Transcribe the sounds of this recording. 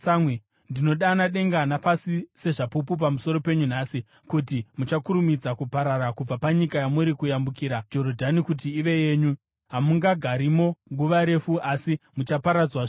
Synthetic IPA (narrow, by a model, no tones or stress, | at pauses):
samwe | ndino̞ɗanaɗe̞ŋɡanapasise̞ʐapupup̬amuso̞ɾo̞pe̞ɲun̤aːsi | kutimut͡ʃakuɾumid͡zakupaɾaɾakub͡vapaɲikajamuɾikujambukiːɾad͡ʒo̞rodʱanikut̬iːʋe̞je̞ːɲu | ɦamuŋɡaɡʱaɾimo̞ŋɡuʋaɾe̞fuʔasimut͡ʃapaɾad͡zwa